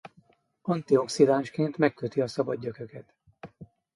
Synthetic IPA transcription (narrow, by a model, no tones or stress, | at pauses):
ɒnt̪io̞ksid̪aːnʃkeːnt̪mɛkkøt̪iɒsɒbɒd̪ːøkø̞kɛt̪